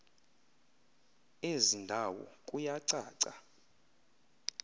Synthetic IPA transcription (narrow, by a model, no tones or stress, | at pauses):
ezindʱawɔ̰kʼujaǀaːǀa